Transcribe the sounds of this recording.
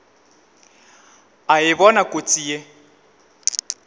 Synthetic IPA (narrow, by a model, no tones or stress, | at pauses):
ajɪβɔnakʼot͡sʼije